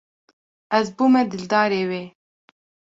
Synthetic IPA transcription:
ɛzbuːmɛd̪ɪld̪ɑːɾeːweː

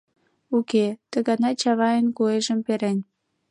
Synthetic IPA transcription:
uket̪əɣɑnɑt͡ɕɑβɑjənkueʒəmpeɾenʲ

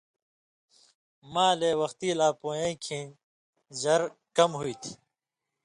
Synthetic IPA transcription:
mãːleːwɐxt̪iːlaːpoːjẽːkʰĩː | zɐɾkɐmɦuit̪ʰ

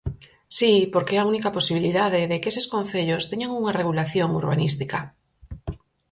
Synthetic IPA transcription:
sipoɾkeeaunikaposiβ̞iliðaðeðekeseskõnθeʎost̪eɲaŋuŋareɣulaθjoŋuɾβanist̪ika

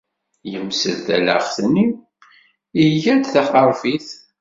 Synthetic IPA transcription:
jəmsə̰ðθæ̰lə̰χθni | iʝæd̪θaχəɾˤfiθ

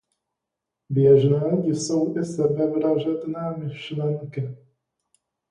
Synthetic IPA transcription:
bjɛʒnaːɟɪsowʔɪsɛbɛvɾaʒɛd̪naːmɪʃlɛŋkɪ

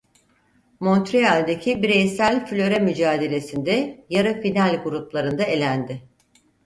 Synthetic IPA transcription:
mo̞nt̪ɾealʲd̪ecʰibiɾejsælʲfylʲø̞ɾɛmyd͡ʒaːd̪e̞lʲe̞sind̪ɛjaɾafinalʲɡuɾuplˠaɾɯnd̪ae̞lʲænd̪ɪ

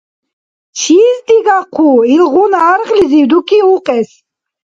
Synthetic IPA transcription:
t͡ʃʰiːzd̪iɡaqʰuilʁunaːɾχliziwd̪ukʰiuqʼɛs

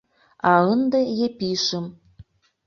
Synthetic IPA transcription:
ɑɤnd̪ĕjepiʃə̆m

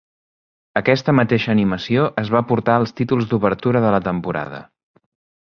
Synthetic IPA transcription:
əkɛst̪əmət̪eʃəːniməsioʔəzβapuɾt̪aəlˠst̪it̪ulˠzd̪uβəɾt̪uɾəðələt̪əmpuɾa̰ðə̰

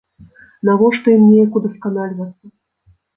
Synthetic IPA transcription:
navɔʂt̪ɔimnʲejɐkud̪ɐskanalʲvɐt̪sːɐ

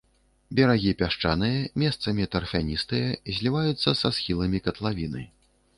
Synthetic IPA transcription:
bʲɛɾaɣʲipʲaʂt͡ʂanɨjɐmʲɛst̪sɐmʲit̪ɐrfʲanʲist̪ɨjɐzʲlʲivajut̪sːɐsasxʲilˠɐmʲikɐt̪lˠavʲinɨ̰

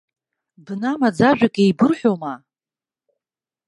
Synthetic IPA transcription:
bnamad͡zaʒᶣʷakʼejbɨrħʷᶣoma

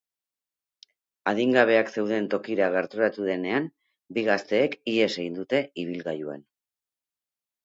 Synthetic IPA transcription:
aðiŋɡaβ̞e̞akse̞wð̞e̞nt̪o̞kiɾaɣ̞e̞ɾt̪uɾat̪uðe̞ne̞am | biɣast̪e̞ːkie̞se̞ɣind̪ut̪e̞iβ̞ilɣajuḛn

